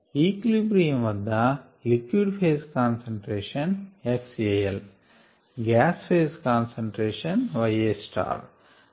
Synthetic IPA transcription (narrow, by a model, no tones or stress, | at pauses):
iːklibɾiːmʋɐd̪ʱːɐ | likʋiɖpʰeːskaːnseɳʈɾeːʃɐnefsiejel | ɡæːspʰeːskaːnseɳʈɾeːʃɐnʋɐjeːsʈa̰ːɾ